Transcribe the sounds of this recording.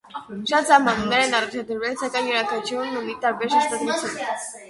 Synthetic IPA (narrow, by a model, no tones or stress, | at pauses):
ʃɑt̪sɑɦmɑnumnɛɾɛnɑrɑt͡ʃʰɑd̪əɾvɛlsɑkɑjnjəɾɑkʰɑt͡ʃʰjunːumit̪ɑɾbɛɾʃəɾst̪ɑd̪ɾut͡sʰjun